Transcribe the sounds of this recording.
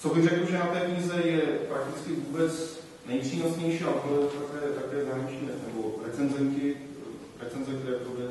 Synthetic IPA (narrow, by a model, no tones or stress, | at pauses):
t͡sobɪŋrɛkl̩ʒɛnat̪ɛːkɲiːzɛjɛpɾak̚t̪ɪt͡skɪvuːbɛt͡s | nɛjpr̥iːnosɲɛjʃiːaplɛt̪akɛːt̪akɛːzaːɦɾaɲit͡ʃɲiːnɛnɛboɾɛt͡sɛnzɛnkɪ | ɾɛt͡sɛnzɛk̚t̪ɛɾɛːpɾodɛ